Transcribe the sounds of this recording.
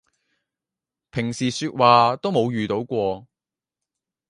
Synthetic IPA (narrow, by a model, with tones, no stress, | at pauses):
pʰɪ˨˩ŋsiː˨˩syː˧t̚waː˨t̪o˥wmo˨˧wjyː˨˩t̪o˨˥wkʷɔː˧